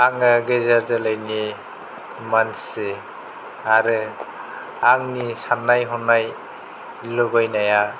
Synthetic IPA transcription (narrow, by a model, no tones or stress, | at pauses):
aŋɯɡezazɯlajni | mansɯ | aɾɯ | aŋnisanːajɦɔnaj | lɯbajnaja